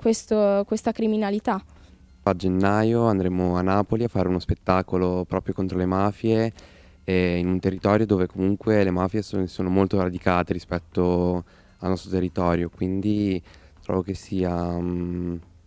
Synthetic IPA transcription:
kwest̪okwest̪akɾiminalit̪a | ad͡ʒenːaːjoand̪ɾeːmoanːaːpoliafːaːɾeunospet̪ːaːkolopɾɔːpɾjokont̪ɾolemaːfje | inunt̪erːit̪ɔːɾjod̪oːvekomuŋkwelemaːfjesosoːnomolt̪oɾad̪ikaːt̪eɾispɛt̪ːo | alːɔst̪ɾot̪erːit̪ɔːɾjokwind̪i | t̪ɾɔ̰vokesːiːa

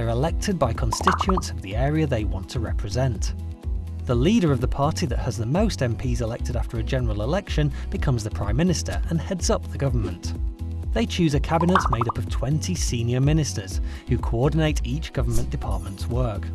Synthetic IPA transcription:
ə˞ɨlɛk̚tʰɨd̚baɪkʰn̩stɪt͡ʃʉə̃ntsʌvðiɛɹiɨðeɪwɑ̃ntʰəɹɛ̰pʰɹɨzɛ̃nʔ | ðəliɾə˞ʌvðəpʰɑɹɾiðɨ̰ʔ̚həzðəmoʊstɛ̃mpʰizɨlɛk̚tʰɨɾaftʰə˞ɨd͡ʒɛnə˞l̩ˠɪlɛkʃɨ̃nb̥ɨkʰʌ̃mzðɨpʰɹ̥ãɪ̃mːɪ̃nɨstʰə̰˞ə̃nhɛdzʌp̚ðəɡʌvə˞mə̃nʔðeɪt͡ʃʰʉzɨkʰæbɨnɨtmeɪɾʌpʌv̥tʰw̥ɛ̃ntʰisĩnjə˞mɪnɨstə˞z̥ | hʉkʰoɔɹdⁿn̩eɪɾit͡ʃɡ̥ʌvə˞mə̃nd̥ɨpʰɑ̰ɹt̚mə̃ntswɜ˞k

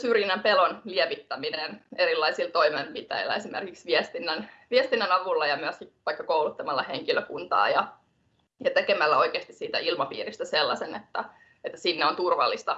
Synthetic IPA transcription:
syrjinæmpelonlieʋit̪ːæmineneɾilːɑisilt̪oimempit̪æ̰ilˑːæ̰esimḛrkiksʋiɛst̪inːænʋiest̪inːænɑʋulːɑjɑmyæskiʋɑikːɑkoulut̪ːɑmɑlːɑheŋkiløkunt̪ɑ̰ːjɑ | jɑt̪ekemælːæoikeːst̪issiːt̪æ̰ilmɑpḭːrist̪æselːɑsenḛt̪ːæ | et̪ːæsinːeont̪urʋɑ̰lːist̪ɑ

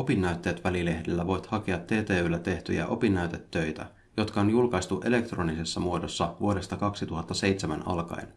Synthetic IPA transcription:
o̞pinːæyt̪ːe̞ːt̪ʋælile̞hdelːæʋo̞jt̪hɑkeɑt̪ːe̞ːt̪eːylːæt̪e̞ht̪yjæ̰ʔo̞pinːæyt̪et̪ːø̞jt̪æ̰ | jo̞t̪kɑonjulkɑjst̪uʔe̞le̞kt̪ro̞nise̞sːɑmuo̞dosːɑʋuoɾe̞st̪ɑkɑksit̪uɦɑt̪ːɑse̞jt̪semænɑ̰lkɑ̰ḛn

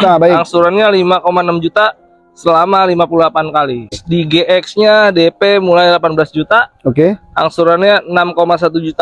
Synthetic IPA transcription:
abaiaŋsuɾanɲalimakomanamd͡ʒut̪a | səlamalimapululapankalidiɡeʔɛksɲadepemulajlapanbəlasd͡ʒut̪aokeaŋsuɾanɲanamkomas̬at̪ud͡ʒut̪a

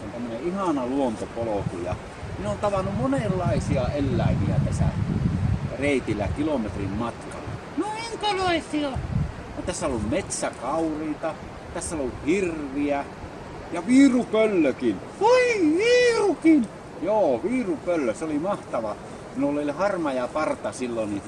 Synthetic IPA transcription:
ont̪æmːøneʔʔihɑnɑluont̪opolokujɑ̰ | minont̪ɑʋɑnːumonelːɑˑesiɑelːæˑeʋiæ̰t̪æsæ̰ | reˑit̪ilːæ̰kilomet̪rimmɑt̪kɑ̰lːɑ̰ | noiŋkoloˑisiɑ | ut̪æsːæolːummet̪sækɑˑuriːt̪ɑ | t̪æsːælouhirʋiæ | jɑʋiːrupølːøkin | oiʋiːrukin | joːʋiːrupølːøseolimɑht̪ɑʋɑ | minolːolʲhɑrmɑjɑpɑrt̪ɑsilːonni

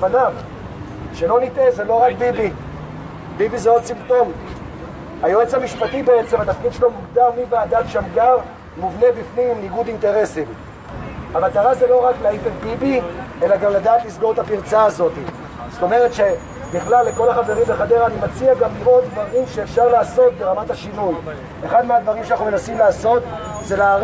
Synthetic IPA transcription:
anav | ʃe̞lo̞nitezelo̞ʁakbibi | bibizeo̞d̚t͡simto̞n | hajoet͡shamiʃpatibe̞et͡se̞mat̪afkid̪̥ʃelo̞muɡd̪almiveadatʃamɡaʁ | muvne̞bifnimimniɡudinte̞ʁe̞sim | hamat̪aʁazelo̞ʁakleifekbibie̞laɡamladaːt̪lisɡo̞ʁet̪apiʁt͡saːzo̞t̪i | z̥o̥t̪o̞me̞ʁet̪ʃe̞ | biχlalːe̞ko̞laχave̞ʁimbeχade̞ʁanimat͡siaɡamlimo̞dvaʁimʃe̞ːfʃaʁlaːso̞t̪̚be̞ʁamathaʃinuj | e̞χad̪mead̪vaʁimʃeanaχnumenasimlaːso̞t̪ | ze̞la

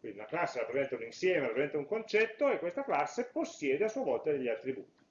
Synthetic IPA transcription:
kwind̪iunaklasːeɾapɾezɛnt̪auninsjɛːmeɾapɾezent̪auŋkont͡ʃɛt̪ːoekːwest̪aklasːeposːjɛːd̪easːuavɔlt̪ad̪eʎːiat̪ːɾibṵːt̪i

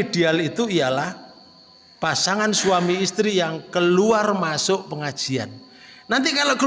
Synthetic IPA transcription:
iɖ̥ealit̪uijalah | pasaŋanswamiːst̪ɾijaŋkəluarmasʊʔpəŋad̥ʒ̥i̤a̰nː | ant̪ikalokə

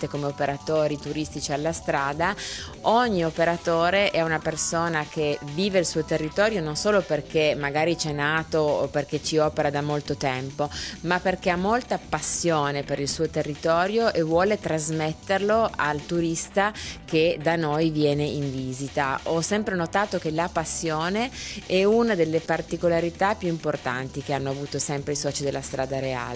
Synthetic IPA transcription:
t̪ekomeopeɾat̪oːɾit̪uɾist̪it͡ʃialːast̪ɾaːd̪a | ɔɲːiopeɾat̪oːɾeʔɛunapersoːnak̟eviːveilsuːot̪erːit̪ɔːɾjononsoːloperk̟emaɡaːɾit͡ʃɛnːaːt̪ooperket͡ʃiɔːpeɾad̪amolt̪ot̪ɛmpomapːerkeamːolt̪apasːjoːnepeɾilsuːot̪erːit̪ɔːɾjoʔevwɔːlet̪ɾazmet̪ːerloa̰lt̪uɾist̪aked̪anojvjɛːneiɱviːzit̪aɔsɛmpɾenot̪aːt̪ok̟elapasːjoːneɛunad̪elːepart̪ikolaɾit̪apjuimport̪a̰nt̪ik̟eanːoavuːt̪osɛmpɾeisɔːt͡ʃid̪elːast̪ɾʔaːd̪aɾea̰ːle

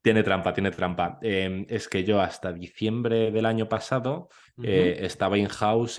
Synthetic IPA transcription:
t̪je̞ne̞t̪ɾampat̪je̞net̪ɾampaeme̞ske̞ʝo̞ast̪aðiθje̞mbɾe̞ðe̞laɲo̞pasaðo̞ | eest̪aβaiŋxaws

